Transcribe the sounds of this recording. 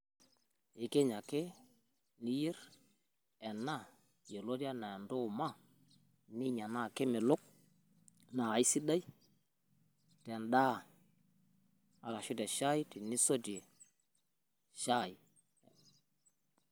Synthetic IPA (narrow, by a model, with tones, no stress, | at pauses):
i˨ke˦ɲa˨ke˦ | ni˦ji˦ɾ | ɛ˨nːa˦ | je˨lo˦di˦a˦na˨ndo˦˨ma˦ | nɪ˦ɲa˨na˦˨ke˦mɪ˨lʊ˦k̚ | na˨i˦si˦da˦j | tɛ˨nɗa˦ | a˨la˨ʃu˦dɛ˨ʃa˦jti˨ni˦so˦di˨e˨ | ʃa˦˨j